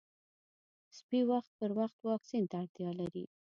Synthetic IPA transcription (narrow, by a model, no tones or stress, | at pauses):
spiwaxt̪̚pəɾwaxt̪wɑksint̪aːɽt̪jɑlaɾḭ